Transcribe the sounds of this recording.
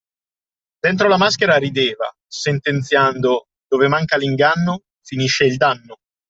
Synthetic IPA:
d̪ent̪̬ɾolamaskeɾaɾid̪eːva̰ | sent̪ent̪sjand̪o | d̪̥oːvemaŋkaliŋɡanːo | finiʃːeild̪anːo

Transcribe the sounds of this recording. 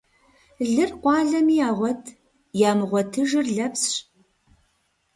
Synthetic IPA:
ɮɨrqʷʼɑːɮɐmiːaːʁʷɔtʰ | jaːmɨʁʷɔtʰɨʒɨrɮɐpsɕ

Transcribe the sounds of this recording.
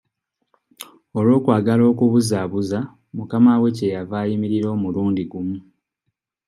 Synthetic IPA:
o̞lwo̞ːkwaːɡalo̞ːkuβuzaβuza | mukamawe̞cejavaːjimiɾiɾo̞ːmuluːndiɡumu

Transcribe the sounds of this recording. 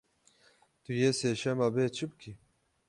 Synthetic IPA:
t̪ujeseːʃɛmabeːt͡ʃʰɨbɨkʰi

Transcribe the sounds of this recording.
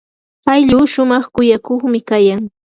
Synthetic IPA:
pajʎuːʃʊmɑχkʊjakoχmɪkajaŋ

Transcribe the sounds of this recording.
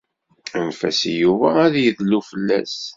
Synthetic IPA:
ænfæsijuvæːðjəðlːufəlːæ̰s

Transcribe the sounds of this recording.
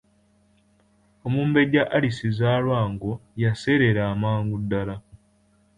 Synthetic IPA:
omuːmbe̞ɟaʔːlisizaːlwaːŋɡojase̞ɾe̞ɾaːmaːŋɡudːala

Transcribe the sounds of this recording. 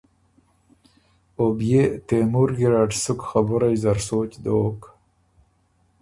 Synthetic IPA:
objet̪emuɾɡɪɾɑʈsʊkxabʊɾajzaɾsoːt͡ɕd̪oːk

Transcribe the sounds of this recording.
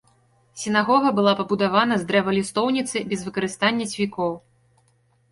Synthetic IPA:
sʲinaɣɔɣɐbɨlˠapɐbud̪avanɐzd̪ɾɛvɐlʲist̪ɔwnʲit̪sɨbʲɛzvɨkɐɾɨst̪anʲːɐt͡sʲvʲikɔw

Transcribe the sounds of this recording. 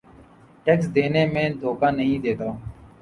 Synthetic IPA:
ʈeːksd̪eːneːmẽːd̪oːkãːnəɦĩːd̪eːt̪aː

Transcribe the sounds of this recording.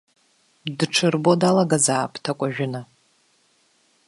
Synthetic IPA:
dʈ͡ʂʰɨrbo̞dalaɡazaːpʰʼtʰakʷʼaʒᶣʊna

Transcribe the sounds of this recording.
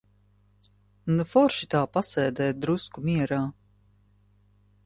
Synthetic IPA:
nufɔɾʃit̪aːpasɛːd̪ɛːd̪ɾuskumiɛɾaː

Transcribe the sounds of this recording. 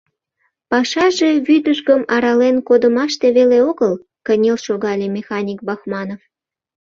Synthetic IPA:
pɑʃɑʒe̽βyd̪əʃɣəmɑɾɑlenkod̪əmɑʃt̪e̽βeleoɣəl | kənʲelʃoɣɑlʲemʲexɑnʲik̚bɑxmɑnof

